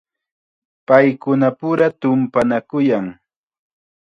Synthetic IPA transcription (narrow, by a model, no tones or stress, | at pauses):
pajkʊnapʊɾat̪ʊmpanakʊjaŋ